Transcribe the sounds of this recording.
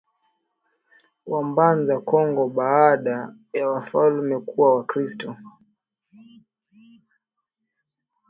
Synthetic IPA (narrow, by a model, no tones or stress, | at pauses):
wambanzakɔŋɡɔɓaːɗa | jawafalmɛkuwawakɾistɔ